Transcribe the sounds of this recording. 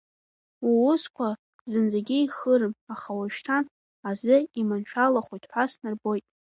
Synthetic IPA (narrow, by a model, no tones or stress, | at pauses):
wuʊskʷʰa | zɨnd͡zaɡʲɪiχərɨmaχawaʃᶣtʰan | azɨimanʃʷʰᶣalaχʷujtʰʼħʷasnarbo̞jtʼ